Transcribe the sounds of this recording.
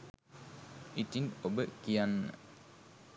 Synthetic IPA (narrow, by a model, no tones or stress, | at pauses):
ʔit̪inobəʔkian̰ː